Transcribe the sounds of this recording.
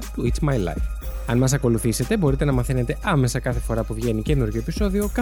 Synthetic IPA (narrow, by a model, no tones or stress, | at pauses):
t̪uit̪smɐjlɐ̰fɐnmɐs̬ɐko̞luθise̞t̪e̞bo̞ɾit̪e̞nɐmɐθene̞t̪e̞ʔɐme̞sɐkɐθe̞fo̞ɾɐpuvʝe̞nice̞nuɾʝoepiso̞ðio̞kɐ